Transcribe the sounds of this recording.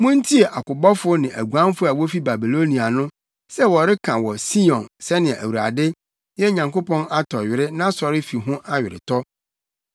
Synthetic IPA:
mʊ̃˦n˦tʰi˦e˨ʔa˨kʊ˨bɔ˦fʊ˦nɪ̃˨ʔæ̰˨ɡu˨ã˦m˦fʊ˦a˨wo˦fi˦ba˨bi˨lo˦nĩ˨a˨nʊ̃˦ | sɛ˦wɔ˨ɾɪ˦kʰã˨wɔ˨si˦ɔ̃˨nsɛ˦nɪ̃˨ʔæ̰˨wu˨ɾa̰˨dɪ˦ | jɛ˦ɲã˨ŋko˦pɔ̃˦na˦tʰɔ˨ɥɪ˨ɾɪ˦nã˦sɔ˨ɾɪ˦fi˨ɦʊ̃˦ʔa˦ɥɪ˨ɾɪ̰˨tʰɔ˦

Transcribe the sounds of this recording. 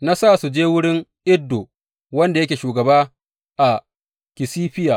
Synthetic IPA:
na˦saː˦˨su˨d͡ʒeː˦wʊ˦ɽɪ˦ŋʔɪ˦dːo˨ | wɐ˦nda˨jɐ˦kʲeː˨ʃuː˨ɡɐ˨baː˦ | ʔa˨ | kʲɪ˨siː˦ɸɪ˦ja˨ʔ

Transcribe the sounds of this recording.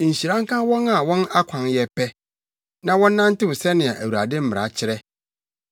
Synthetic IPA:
ɕi˨ɾã˦ŋ˦kã˦wɔ̃˦na˨wɔ̃˦na˦kʷʰã˨njɛ˦pʰɛ˦ | nã˨wɔ̃˦n̩ː˦ã˦n˦tɪ˦wʊ˨sɛ˦nɪ̃˨a˨ʔæ˨wu˨ɾa̰˨dɪ˦m̩˦mɪ̃˨ɾa̰˨t͡ɕʰɪ˦ɾɛ˦

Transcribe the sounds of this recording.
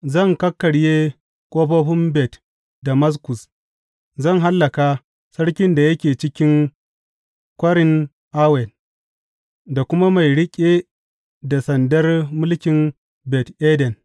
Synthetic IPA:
zɐ˦˨ŋkɐ˦kːɐ˨ɽjeː˦ | kʷʼoː˦ɸɐ˦ɸʊ˦mbɛ˨t | da˨mɐ˦s̬kʊ˨s | zɐ˦˨ŋɦa˦lːɐ˨ka˦ | sɐ˦ɽkʲɪ˦nda˨jɐ˦kʲeː˨t͡ʃɪ˦kʲɪ˦ŋ | kʷɐ˦ɽɪ˦n | ʔa˦wɛ˨l | da˨kʷʊ˦ma˦ma˨jɽɪ˦kʲʼe˦ | da˨sɐ˨ndɐ˦rmʊ˦lkʲɪ˨n | bɛ˨tʔeː˦dɛ˨n

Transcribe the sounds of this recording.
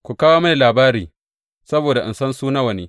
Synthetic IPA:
kʷu˨kaː˦waː˦ma˨jlaː˨baː˦ɾiː˨ | sɐ˦boː˨da˨ʔɪ̰˨nsɐ˦nsuː˦nɐ˦wɐ˨niː˦

